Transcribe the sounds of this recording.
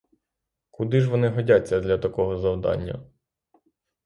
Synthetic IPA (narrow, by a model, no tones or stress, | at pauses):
kʊd̪ɪʒʋɔnɪɦɔdʲat͡sʲːɐd̪lʲɐt̪ɐkɔɦɔzɐwd̪ɑ̰nʲːɐ̰